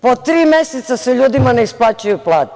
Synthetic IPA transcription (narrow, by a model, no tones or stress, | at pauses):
pot̪ɾiːmeset̪saseʎuːd̪imaneisplˠaːt͡ɕujuplˠaːt̪